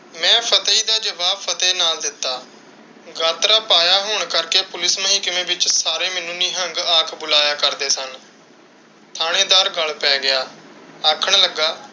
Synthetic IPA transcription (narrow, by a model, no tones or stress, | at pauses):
mɛ̃ːpʰət̪iːd̪aːd͡ʒəʋaːbpʰət̪eːnaːld̪ɪt̪ːaː | ɡaːt̪ɾaːpaːjaːɦoːɳ̃kəɾkeːpʊlɪsməɦĩːkəmẽːbɪt͡ʃsaːɾeːmɪnũːniːɦə̃ŋɡaːkʰbʊlaːjaːkəɾd̪eːsən | t̪ʰaːɽ̃ẽːd̪aːɾɡəlpɛːɡɪjaːaːkʰəɳ̃ləɡːaː